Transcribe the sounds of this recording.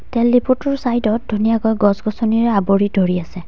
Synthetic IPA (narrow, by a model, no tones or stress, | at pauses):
tɛlːiputɔɹsajdɔt̚dʱunijakɔjɡɔsɡɔsɔniɹɛaboɹidʱoɹiasɛ